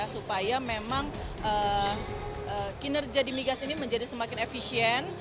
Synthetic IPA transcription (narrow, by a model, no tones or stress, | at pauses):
asupajamemaŋ | ʔəː | əkinərd͡ʒiadimiɡasiːniməɲd͡ʒadisəmakɪnefisiɛn